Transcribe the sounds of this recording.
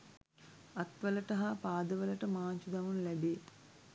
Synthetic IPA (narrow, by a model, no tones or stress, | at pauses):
ɐt̪ʋɐlɐʈɐɦɐpaːd̪ɐʋɐlɐʈɐmaːnt͡ʃud̪ɐmunlɐbeː